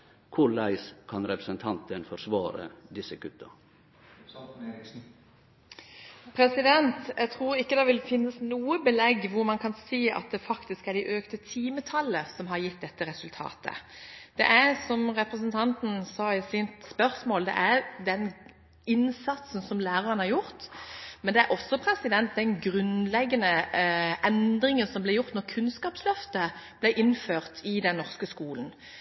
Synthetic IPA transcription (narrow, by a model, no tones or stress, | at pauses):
kʰʊɭæɪskʰɑnɾɛpɾəsənt̪ʰɑnt̪ənfɔɾsʋɑːɾə̰d̪ɪsəkʰʉt̪ːə | pʰɾɛsɪd̪ɛnt̪jʔæɡt̪ʰʁuːɾɪkːəd̪ɛʋɪlfɪnːəsnuːəbəlɛɡʋʊɾmɑnkʰɑnsiːɑ̰t̪̚d̪ɛfɑkt̪ɪskæɖ̪ɪʔøːkt̪ət̪ʰiːmət̪ʰɑlːəsɔmɦɑɾjɪt̪d̪ɛt̪ːəɾɛsʉlt̪ʰɑ̰ːt̪ʰə̰d̪̥ɛ̰ʔæɾsɔmɾɛpɾəsənt̪ʰɑnt̪n̩sɑːɪsɪnt̪spœʁsmoːld̪ɛ̰ʔæɾd̪ɛn | ɪnsɑt̪sən̩sɔmlæːɾɑʁənhɑɾjʊɾt̪mɛnd̪ɛæɾʔɔsːɔpʰɾɛsɪd̪ɛnt̪̚d̪ɛnɡɾʉnlɛɡːənəʔɛnd̪ɾɪŋənsɔmblɪjʊʁt̪nɔɾkʰʉnskɑːpslœft̪əb̥læʔɪnføːʁt̪ʰɪd̪ɛnːɔʁskəskuːln̩